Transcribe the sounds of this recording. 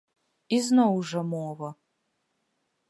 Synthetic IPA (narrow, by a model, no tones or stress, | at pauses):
iznɐwʐɐmoːvɐ